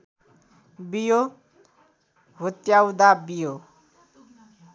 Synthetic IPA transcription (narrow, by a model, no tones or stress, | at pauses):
bijo | ɦut̪jawd̪abijo